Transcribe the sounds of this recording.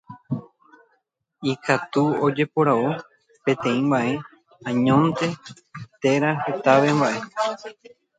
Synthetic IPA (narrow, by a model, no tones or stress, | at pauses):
ikat̪uod͡ʒe̞poɾao | pẽ̞t̪ẽ̞ĩmbãʔe̞ | ãɲõ̞nt̪e̞ | t̪e̞ɾahe̞t̪aʋe̞mbaʔe̞